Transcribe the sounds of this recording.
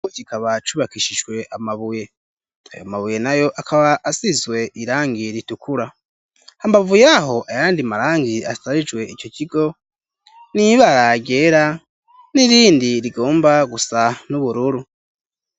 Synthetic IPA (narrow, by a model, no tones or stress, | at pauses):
eɟikaβat͡ʃuβakiʃiʒɡwe̞ʔamaβuje̞ | a̰jomaβuje̞najo̞ʔakʰaβaʔːsizwe̞ʔiɾaːŋɡiɾitukuɾa | ambavujaɦo̞ʔajaːndimaɾaːŋɡia̰saɾid͡ʒwe̞ico̞ciɡo̞ | niβaɾaɟe̞ɾa | niɾiːndiɾiɡo̞ːmbaɡusanuβuɾuɾu